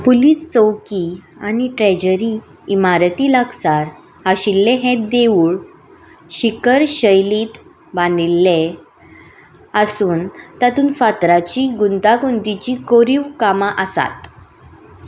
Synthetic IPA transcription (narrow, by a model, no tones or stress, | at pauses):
puliːst͡səwkianiʈɾɛd͡ʑəɾiː | maɾət̪iːləksaɾ | aɕilːeɦẽd̪eʋuːɭ | ɕikəɾɕəjliːt̪ | banilːe | əsuːnt̪at̪uːnfat̪ɾat͡ɕiːɡunt̪akunt̪it͡ɕiːkoɾiʋkamaʔəsa̰t̪